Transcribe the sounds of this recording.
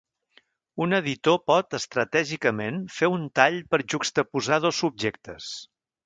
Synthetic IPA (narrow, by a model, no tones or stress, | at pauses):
unəðit̪opɔt̪əst̪ɾət̪ɛʒikəmenfeunt̪aʎpəɾʒukst̪əpuzað̞osub̚ʒek̚t̪əs